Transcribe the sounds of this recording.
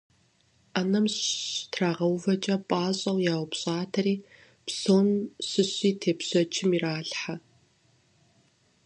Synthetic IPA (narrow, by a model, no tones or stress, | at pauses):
aːnɐmtʰraːʁɐwvɐt͡ʃʼɐpʼaːɕʼɐwjaːwpɕʼaːtʰɐriː | psoːnɕɨɕʼiːtʰeːpɕɐt͡ʃʰɪmiraːɬħa